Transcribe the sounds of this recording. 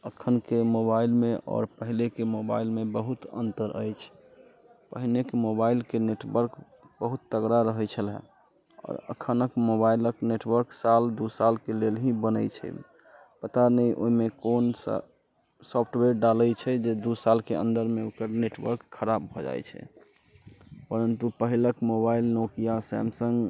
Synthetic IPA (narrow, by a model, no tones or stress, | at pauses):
əkʰənkemobailmeɔ̰ːɾpəɦilekemoba̰ilmebəɦut̪ə̰nt̪əɾʔə̰jt͡ʃʰ | pəɦilekemobailkeneʈwəɾk | bəɦut̪ːəɡɾaɾəɦəjt͡ʃʰəlɦɛ̰̃ | ɔ̰ːɾə̰kʰənəkmobailəkneʈwəɾksald̪usalkelelɦĩbənəjt͡ʃʰɛ̰ | pət̪anəjʔo̰imekons | sɔpʰʈweɾɖaləjt͡ʃʰɛd͡ʒed̪usalkeə̰̃nd̪əɾmeokəɾneʈwə̰ɾkʰːəɾab̚bʱɔd͡ʒa̰jt͡ʃʰɛ̰ | pəɾənt̪upəɦiləkmobailnokijasɛ̰msə̃ŋɡ